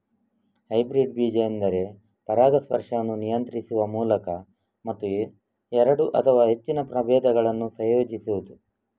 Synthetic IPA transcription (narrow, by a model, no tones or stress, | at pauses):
hɐjbɾiɖ̚biːd͡ʒɐjɐnd̪ɐɾe̞ | pɐɾaːd̪ɐspɐ̰ɾʂɐnːunijɐnt̪ɾisuʋɐmuːlɐkɐ | mɐt̪ːu | ɛɾɐɽuʔɐt̪ʰɐʋaːɦe̞t͡ʃːinɐpɾɐbɛːd̪ɐɡɐɭɐnːusɐjoːd͡ʒisuʋud̪u